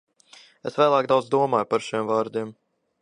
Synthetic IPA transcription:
esvæːlˠaːkd̪awd̪zd̪uɔmaːjpaɾʃimvaːɾd̪iɛm

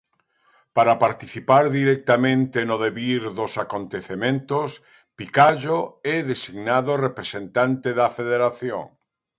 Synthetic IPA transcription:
paɾapaɾt̪iθipaɾðiɾɛk̚t̪amẽnt̪enoðeβiɾðosakont̪eθemẽnt̪os | pikaʒoɛðesiɣnaðorepɾesent̪ant̪eðɐfeðeɾaθjo̰ŋ

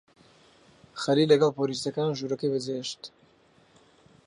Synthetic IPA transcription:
xɐliːlɐɡɐlpʰoːliːsɐkaːnʒuːɾɐkɐjbɨzeːʃt̪

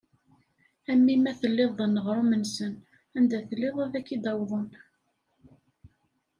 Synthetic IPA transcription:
æmːimæθəlːɪðˤənːəʁɾˤumənsən | ænd̪æθəlːeðˤæðækːid̪ɑwðˤən

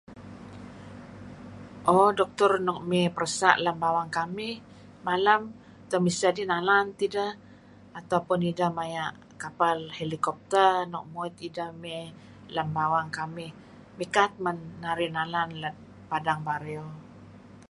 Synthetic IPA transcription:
ʔɔdɔk̚t̪ɔrnɔk̚mɛpərəsa̰ʔlambawaŋkamɪh | malam | t̪əmisd͡ʒadinalant̪idaː | t̪awpʊnidamajaʔ | kapalhelikɔp̚t̪ərnɔk̚moit̪idamɛ | lambawaŋkamɪh | mikat̪̚mənːaɾinalanlat̪̚ | padaŋbaɾeo

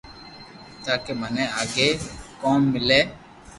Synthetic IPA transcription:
t̪akemanɛ̃aɡekɔ̃mɪlɛ

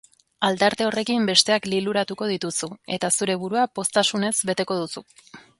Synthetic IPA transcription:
ald̪aɾt̪e̞o̞re̞kimbe̞st̪e̞akliluɾat̪uko̞ð̞it̪usue̞t̪asuɾe̞β̞uɾuapo̞st̪asune̞zbe̞t̪e̞ko̞ðusu

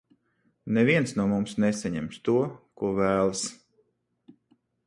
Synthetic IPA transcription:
nɛviɛnsnuɔmumsnɛsaɲɛ̰mst̪uɔkuɔvæːlˠs

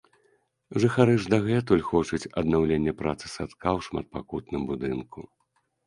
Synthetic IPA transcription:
ʐɨxaɾɨʐd̪aɣɛt̪ulʲxɔt͡ʂut͡sʲɐd̪nawlʲenʲːɐpɾat̪sɨ̥sat̪kʰawʂma̰t̪̚pakut̪nɨmbud̪ɨnkʰu

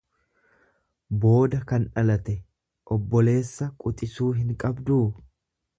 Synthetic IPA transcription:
bo̞ːd̪ɐkɐnᶑɐlɐt̪ɛ | ʔɔbːɔle̞ːsːɐkʼʊt̪ʼɪsuːɦɪŋkʼɐbd̪uː

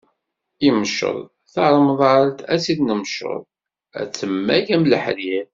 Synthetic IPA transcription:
imʃə̰ðˤ | θɑɾˤməðˤaɾt̪æsiðnəmʃə̰ðˤ | æ̰t͡sːəmːæʝæmləħliɾ

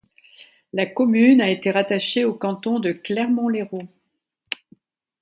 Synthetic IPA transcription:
lakɔmynaet̪eʁat̪aʃeokɑ̃t̪ɔ̃d̪əklɛʁmɔ̃leʁo

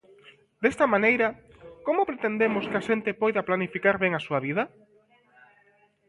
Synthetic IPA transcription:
d̪est̪ɐmãnejɾɐ | komʊpɾet̪end̪emʊskɪaʃent̪ɪpojðɐplanifikaɾβeŋasuɐβið̞ɐ

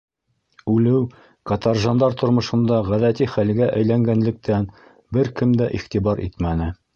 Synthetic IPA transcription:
ʉlɘw | kɑt̪ɑɾʒɑnd̪ɑɾt̪ŏɾmɤ̆ʃɤ̆nd̪ɑʁæðæt̪iχælɡæʔæjlæŋɡænlɘ̆k̚t̪æn | bɘɾkɘmd̪æʔiχt̪ibɑɾʔḭt̪mænɘ

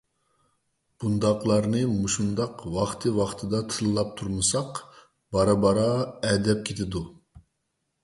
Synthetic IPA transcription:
b̥und̪ɑqlˠɑɾnɨmuʃund̪ɑqwɑχt̪ʰɨwɑχt̪ʰɨd̪ɑt̪ʰɨlˠlˠɑp̚t̪ʰuɾmɨsɑq | bɑɾɑbɑɾɑɛd̪ɛp̚kʲʰet̪ʰɪd̪u

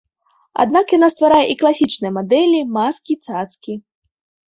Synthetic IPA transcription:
a̰d̪nakjanast̪vaɾajɛʔiklˠasʲit͡ʂnɨjɛmad̪ɛlʲimaskʲit̪sat̪skʲi

